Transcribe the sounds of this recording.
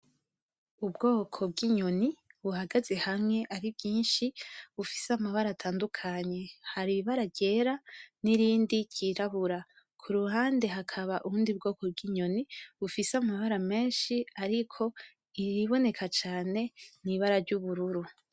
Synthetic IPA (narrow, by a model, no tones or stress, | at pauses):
ubɡo̞ːkʰo̞b̚ɡiɲo̞niβuhaɡaze̞hamŋe̞ʔaɾibɟiːnʃiβufisamaβaɾatʰaːndukʰaɲe̞haɾiβaɾabɟe̞ɾaniɾiːndiciːɾaβuɾa | kʰuɾuɦaːnde̞ɦakʰaβaʔuɾuːndiub̚ɡo̞ːko̞b̚ɡiɲo̞niβufisamaβaɾame̞ːnʃiaɾikʰo̞ | iɾiβo̞ne̞kʰat͡ʃaːne̞niβaɾaɾɟuβuɾuɾu